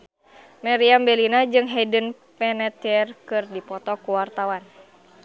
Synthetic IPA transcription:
mɛɾiambɛlinad͡ʒɨŋɦɛdən | pɛnɛt̪iɛrkɨrdipɔt̪ɔkuwart̪awan

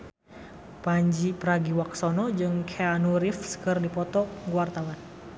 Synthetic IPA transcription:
paɲd͡ʒipɾaɡiwaksɔnɔd͡ʒɨŋkʰɛanuɾifsə̥kɨrdipɔt̪ɔɡwart̪awan

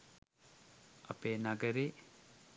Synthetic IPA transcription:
ɐ̰penaɡɐɾe

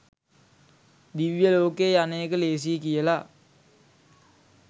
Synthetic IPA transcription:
d̪iʋjəloːkeːjaneːkəleːs̬ikijəla

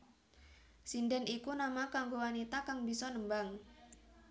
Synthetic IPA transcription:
sindɛnʔikunamakaŋɡowanit̪akaŋbisɔnəmbaŋ

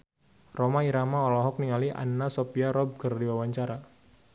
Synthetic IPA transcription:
romaiɾamaɔlɔɦɔk̚niŋaliʔa̰nːasopiaɾɔb̚kərdiwawaɲt͡ʃaɾa

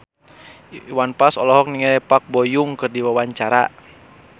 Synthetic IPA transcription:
iwanpasɔlɔɦɔk̚niŋɛɾɛpak̚bɔjuŋkɨrdiwawaɲt͡ʃaɾa̰

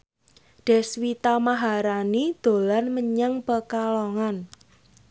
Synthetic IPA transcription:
ɖ̥ɛ̤swit̪amaɦaɾanid̪̥o̤lanməɲaŋpəkaloŋan

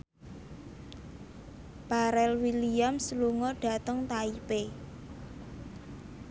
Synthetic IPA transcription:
paɾɛlwiliamsəluŋɔɖ̥a̤t̪əŋt̪aipe

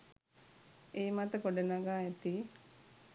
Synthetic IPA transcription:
eːmat̪əkoɖenaɡaːet̪iː

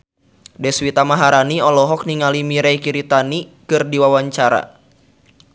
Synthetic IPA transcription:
dɛswit̪amaɦaɾaniɔlɔɦɔk̚niŋalimiɾɛjkiɾit̪anikɨrdiwawaɲt͡ʃaɾa̰

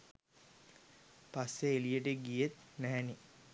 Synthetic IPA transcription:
pasːeelijeʈeɡijet̪næɦːni

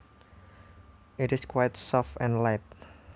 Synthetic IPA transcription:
ʔɪtɪskwajtsɔfɛ̃nlaɪp̚

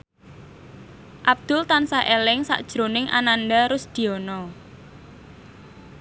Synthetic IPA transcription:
ʔab̚d̪̥ʊlt̪ansaʔelɪŋsa̰ʔd̥ʒ̥ɾonɪŋʔa̰nanɖaɾʊsd̪̥i̤ɔnɔ

